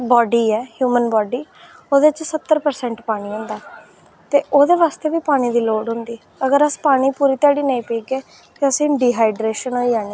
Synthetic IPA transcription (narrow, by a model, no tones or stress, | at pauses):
bɔːɖiːɛːhjuːmənbɔːɖiː | oːd̪et͡ʃsət̪ːəɾpəɾsɛ̃ːɳʈpaːɽ̃iːɦõːnd̪aː | t̪eːʔoːd̪eːʋaːst̪eːʋiːpaːɽ̃iːd̪iːloːɖɦʊ̃nd̪iː | əɡəɾəspaːɽ̃iːpuːɾiːt̪aːɽiːnəĩːpiːɡeː | t̪eːəsĩːɖiːɦaːɪɖɾeːʃənoːiːd͡ʒaːniː